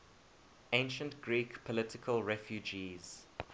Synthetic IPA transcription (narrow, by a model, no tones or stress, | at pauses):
ẽnʃə̃ntɡ̥ɹikpʰɔlɪtɪkʰəlˠɹɛfjud͡ʒiːz̥